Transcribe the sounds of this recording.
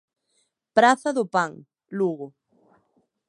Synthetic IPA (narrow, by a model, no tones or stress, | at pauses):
pɾaθɐðʊpaŋ | luɣʊ